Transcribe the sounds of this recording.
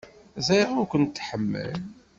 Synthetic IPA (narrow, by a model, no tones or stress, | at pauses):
zæjʁʊkʷənt̪ːħəmːə̰l